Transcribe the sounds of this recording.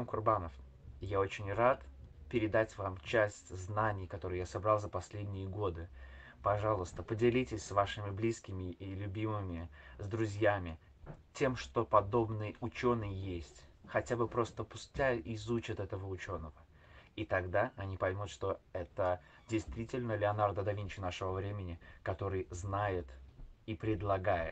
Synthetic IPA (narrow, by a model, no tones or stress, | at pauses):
mkʊrbanəf | jao̞t͡ɕɪnʲrat̪pʲɪɾʲɪd̪atʲvamt͡ɕæsʲtʲznanʲɪjkɐt̪o̞ɾʊɨjasɐbɾalˠzəpɐsʲlʲedʲnʲɪjəɡo̞d̪ɨ | pɐʐalˠəst̪əpədʲɪlʲitʲɪsʲsvaʂɨmʲɪblʲiskʲɪmʲɪʔilʲʊbʲimɨmʲɪzd̪ɾʊzʲjamʲɪ | tʲe̞mʂt̪o̞pɐd̪o̞bnɨjʊt͡ɕo̞nːɨjjːesʲtʲxɐtʲabɨpɾo̞st̪əpʊsʲtʲaʔɪzut͡ɕɪt̪ɛt̪əvəʊt͡ɕo̞nːəvə | it̪ɐɡd̪aɐnʲipɐjmʲut̪ʂt̪o̞ɛt̪ə | dʲɪjst̪vʲitʲɪlʲnəlʲɪɐnard̪əd̪ɐvʲint͡ɕʊnaʂɨvəvɾʲemʲɪnʲɪkɐt̪o̞ɾɨjznajɪt̪ipɾʲɪd̪lˠɐɡajɪ̰